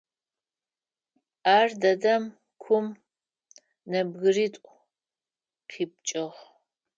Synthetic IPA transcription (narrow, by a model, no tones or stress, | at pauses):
aːrdɐdɐm | kʷʰʊm | nɐbɣɨriːtʷʼ | qʰiːp̚t͡ʃʼɪʁ